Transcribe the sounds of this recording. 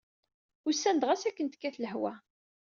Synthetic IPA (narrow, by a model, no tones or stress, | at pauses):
ʊɾsːænd̪ʁæsækːənt̪kːæθləɦwæ